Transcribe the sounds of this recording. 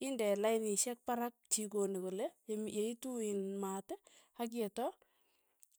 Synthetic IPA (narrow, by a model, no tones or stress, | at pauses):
indɛlaɪniʃɛk̚paɾak̚t͡ʃikonikulejmjeituinmatɛ | hak̬ɛtɔ